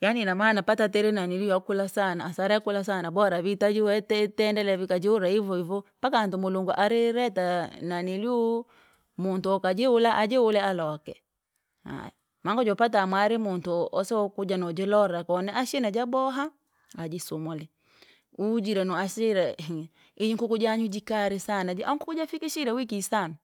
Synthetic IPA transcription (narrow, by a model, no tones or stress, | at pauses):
janinamaːnapatatɛɾɛnanilujakulasanaːsaɾaakulas̬anabɔɾaβitad͡ʒiwɛtɛtɛndɛlɛβikad͡ʒiuɾaivɔivɔpakantumoluŋɡuʔaɾiɾɛtananilj | muntuɔkad͡ʒeulaʔad͡ʒɛulɛalɔkɛ̰ | ha̰ | maŋɡɔd͡ʒɔpat̬amwaɾimuntuʔɔsɛɔkud͡ʒanɔd͡ʒɛlɔɾakɔnɛʔaʃnad͡ʒabɔɦa | ad͡ʒisumɔlɛ | ud͡ʒiɾɛnɔaʃiɾa | id͡ʒiŋ̩kukud͡ʒaɲud͡ʒikaɾisanad͡ʒiʔa̰ŋkukud͡ʒafikiʃiɾawikisana